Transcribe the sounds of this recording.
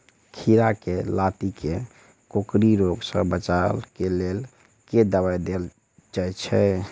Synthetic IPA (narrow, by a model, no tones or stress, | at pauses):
kʰiɾakelat̪ike | kokɾiɾoɡsə̰̃bət͡ʃalkelel | ked̪əβajd̪el | d͡ʒajt͡ʃʰɛ